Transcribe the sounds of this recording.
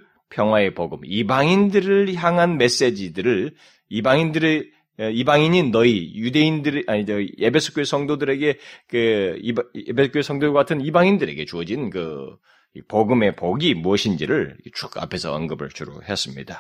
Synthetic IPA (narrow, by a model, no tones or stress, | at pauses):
pʰjʌŋɦwae̞poɡɯmibaŋindɯɾɯɭçjaŋɦanme̞s͈e̞d͡ʑidɯɾɯɭ | ibaŋindɯɾe | ibaŋiɲinnːʌijude̞indɯɾaɲid͡ʑʌebʰe̞sʰɯ̥k͈joesʰʌŋdodɯɾe̞ɡe̞keiepʰesʰɯ̥k͈joesʰʌŋdoaatʰɯnibaŋindɯɾe̞̰ɡe̞t͡ɕuʌd͡ʑinnkɯ | ipoɡɯme̞poɡimuʌɕʰind͡ʑiɾɯɭt͡ɕʰuɡa̰pʰe̞sʰʌʌnɡɯbɯ̰ɭt͡ɕuɾo̰ɦes͈ɯmɲḭd̥a